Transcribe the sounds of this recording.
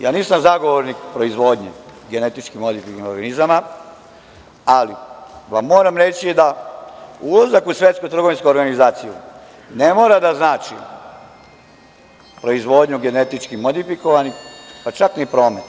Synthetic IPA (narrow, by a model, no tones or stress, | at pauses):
jaːniːsamzaɡoʋoɾnikpɾo̞izʋo̞d̪ɲeɡe̞ne̞t̪it͡ʃkimod̪ifikoɾɡanizama | aliʋamːo̞ːɾamɾe̞t͡ɕid̪a | ulazakusʋjet̪skut̪ɾ̩ɡo̞ʋinskuoɾɡanizaːt̪siju | nemoːɾad̪aznaːt͡ʃi | pɾo̞izʋo̞ːd̪ɲuɡe̞ne̞t̪it͡ʃkimod̪ifiko̞ʋanixpat͡ʃaknipɾo̞ːmet̪